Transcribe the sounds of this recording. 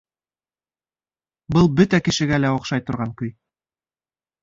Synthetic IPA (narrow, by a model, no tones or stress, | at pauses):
bɤlˠbɵt̪ækɘ̆ʃɘ̆ɡælæoqʃɑjt̪ŏɾʁɑŋkɵj